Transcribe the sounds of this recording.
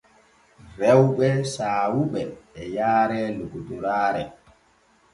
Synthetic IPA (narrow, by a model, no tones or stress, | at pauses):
ɾɛwɓɛsaːwuɓɛːjaːɾɛloɡuduɾaːɾɛ